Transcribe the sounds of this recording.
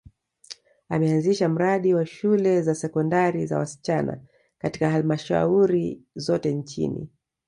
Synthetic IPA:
amɛanziʃam̩ɾaɗiwaʃulɛzasɛkɔndaɾiza̰wasi̥t͡ʃana̰ | kati̥kaɦalmaʃa̰uɾizɔtɛnt͡ʃḭnḭ

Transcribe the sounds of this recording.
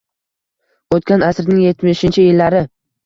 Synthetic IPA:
ot̪̚kʲanasɾnɪŋje̞t̪mɪʃɪnt͡ʃʰɪjɪlːaɾɪ

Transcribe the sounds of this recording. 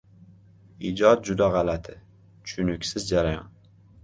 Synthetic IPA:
id͡ʒɒt̪̚d͡ʒʊd̪aʁɑlat̪ʰɪ | t͡ʃʰʊ̥ʃʰʊnʊkʲsɪzd͡ʒaɾajɒ̰n

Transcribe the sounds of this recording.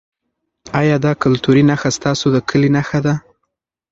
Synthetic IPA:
ɑjɑd̪ɑkʊlt̪uɾinaxast̪ɑsod̪əkʰəlinaxad̪a

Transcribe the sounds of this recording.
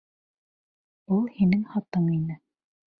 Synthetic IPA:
ulˠhinɘŋhɑt̪ɤɴinɘ

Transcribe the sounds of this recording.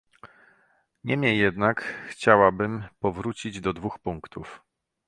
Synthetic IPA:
ɲɛmʲɲɛjːɛd̪nakxt͡ɕawabɘmpɔvɾut͡ɕid͡ʑd̪ɔd̪vuxpuŋkt̪uf

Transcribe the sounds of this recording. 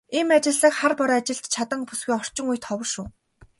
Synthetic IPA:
iːmat͡ɕɪ̆ɮə̆kχarpɔɾɔat͡ɕɪ̆ɮt̪t͡ɕʰat̪ə̆ŋpusɡujɔr̥t͡ɕɪ̆ŋujt̪ʰɔwə̆rʃuː

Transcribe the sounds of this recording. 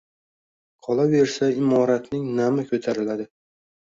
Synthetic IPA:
qʰɒlˠave̞ɾsaɪmɒɾat̪nɪŋnamɪkʰɵt̪ʰaɾɪlad̪ɪ

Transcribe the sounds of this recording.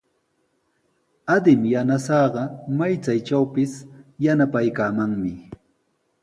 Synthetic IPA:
ad̪ɪmjanasɑːɢɑmajt͡sajt͡ʃawpɪsjanapajkaːmaŋmɪ

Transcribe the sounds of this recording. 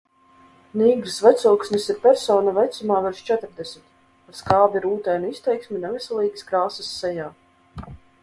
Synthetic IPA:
niːɡɾsvɛt̪sɔwksnʲisiɾpʲɛɾsɔːnavɛjt̪sumaːvɛɾʃt͡ʃɛt̪ɾd̪ɛsʲmʲit̪̚ | paɾskaːbiɾuːt̪ɛjnʲisʲt̪ɛjksʲmʲinɛvʲisɛlˠiːɡiskɾaːsəsːɛjaː

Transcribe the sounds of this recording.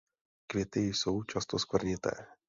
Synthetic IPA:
kvjɛt̪ɪjso̞wt͡ʃast̪oskvr̩ɲɪt̪ɛ̰ː

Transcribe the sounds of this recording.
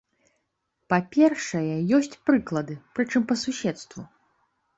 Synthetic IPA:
papʲɛrʂɐjɛjɔsʲt͡sʲpɾɨklˠɐd̪ɨpɾɨt͡ʂɨmpɐsusʲɛt̪st̪vu

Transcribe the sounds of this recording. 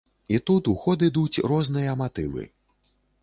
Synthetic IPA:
it̪ut̪uxɔd̪ɨd̪ut͡sʲrɔznɨjɐmat̪ɨvɨ̰

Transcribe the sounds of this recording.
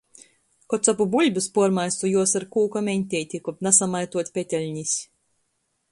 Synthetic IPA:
kɔt̪sapubulʲbʲuspuɔɾmajsujuɔsaɾkuːkamʲɛnʲt̪ʲɛjt̪ʲikɔpnasamajt̪uɔt̪ʲpʲet̪ʲɛlʲɲisʲ

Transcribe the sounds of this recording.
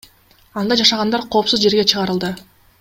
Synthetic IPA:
ɑnd̪ɑd͡ʒɑʃɑʁɑnd̪ɑɾqʰo̞ːpsuzd͡ʒe̞ɾɡe̞t͡ʃʰɯʁɑɾɯlˠd̪ɯ

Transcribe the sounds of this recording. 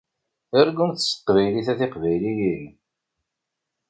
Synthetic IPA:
əɾɡunθsq̪ːvæjliθæθɪqvæjlijin

